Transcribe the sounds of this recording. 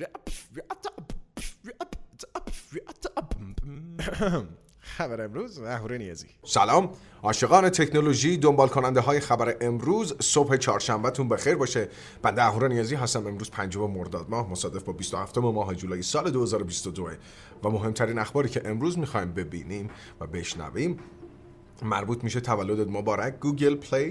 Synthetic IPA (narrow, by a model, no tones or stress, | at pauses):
xæbæɾeemɾuːzæhuːɾenijɒːzḭːsælɒːm | ɒːʃe̞ɣɒːne̞t̪ʰe̞cʰnoloʒiːd̪ombɒːlkʰo̞nænd̪eɦɒːjexæbæɾeʔemɾuːzso̞bhe̞t͡ʃʰɒːɾʃæmbæt̪ʰunbe̞xejɾbɒːʃe | b̥ænd̪eæɦuːɾenijɒːziːɦæst̪æme̞mɾuːz̥pʰænd͡ʒo̞memoɾd̪ɒːd̪̚mɒːhmo̞sɒːd̪e̞fbɒːbist̪ohæft̪o̞memɒːɦed͡ʒuːlɒːjesɒːle̞d̪ohe̞zɒːɾobist̪od̪oe | væmo̞ɦe̞mt̪ʰæɾiːnæxbɒːɾiːcʰe̞ʔemɾuːzmixɒːjimbe̞bḭːniːm | væ̰be̞ʃnæ̰viːmː | æɾbuːt̪ʰmiːʃet̪ʰævælːod̪ed̪mobɒːɾækʰɡuːɡelpʰlej